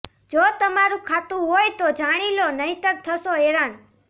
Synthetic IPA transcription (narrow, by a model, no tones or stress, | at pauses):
d͡ʒot̪əmaɾũkʰat̪ũɦojt̪od͡ʒaɽ̃ilonəɦĩt̪əɾt̪ʰəʃoeɾan